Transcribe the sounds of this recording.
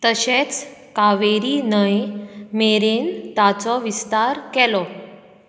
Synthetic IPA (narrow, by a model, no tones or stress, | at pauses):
t̪əɕet͡skaʋeɾiːnəjmeɾent̪at͡sɔʋist̪aɾkɛlɔ